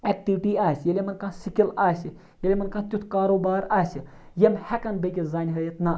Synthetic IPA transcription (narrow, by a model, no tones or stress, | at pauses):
ɛk̚ʈiʋʈiːaːsʲjelʲemɐnkãːsikilaːsi | jelʲemɐnkãt̪ʲut̪ʰkaːɾoːbaːɾaːsi | jemhɛkanbeɡʲizaːnɦɐɾjɐt̪na